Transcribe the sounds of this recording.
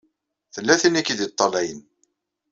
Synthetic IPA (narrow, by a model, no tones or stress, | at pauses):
θəlːæθinikid̪it̪ˤːɑlæjən